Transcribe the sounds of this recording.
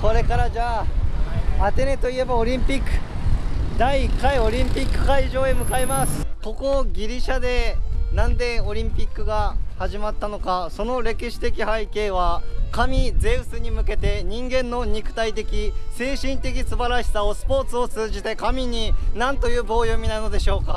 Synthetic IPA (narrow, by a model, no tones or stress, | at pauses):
ko̞ɾe̞kaɾad͡ʑaː | at̪e̞ne̞t̪o̞ie̞bao̞ɾʲĩmpʲikːɯ̟̥ | d̪aiːkːaio̞ɾʲĩmpʲikːɯ̟̥kaiʑo̞ːemɯ̟kaemasɨ̥ko̞ko̞ɡʲiɾʲiɕad̪e̞nãnd̪e̞o̞ɾʲĩmpʲikːɯ̟ɡahaʑimat̪ːano̞kaso̞no̞ɾe̞kʲiɕi̥t̪e̞kʲihaike̞ːβ̞akamʲid͡ze̞ɯ̟sɨɲ̟imɯ̟ke̞t̪e̞ɲ̟ĩŋɡẽ̞nːo̞ɲ̟ikɯ̟̥t̪ait̪e̞kʲise̞ːɕĩnt̪e̞k̬ʲisɨbaɾaɕi̥sao̞sɨ̥po̞ːt͡sɨo̞t͡sɨːʑit̪e̞kamʲiɲ̟inãnt̪o̞jɯ̟ːbo̞ːjo̞mʲinano̞d̪e̞ɕo̞ːka